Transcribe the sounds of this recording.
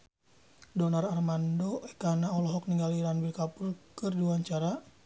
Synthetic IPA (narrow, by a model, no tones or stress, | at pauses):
dɔnararmandoɛkanaɔlɔɦɔk̚niŋɡaliɾanbilkapurkɨrdiuwaɲt͡ʃaɾa